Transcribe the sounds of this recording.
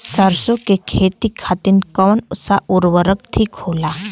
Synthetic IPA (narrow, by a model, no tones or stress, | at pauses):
səɾsokekʰet̪ikʰat̪iːnkəʋnusaʔuɾʋəɾək̚t̪ʰiːkhola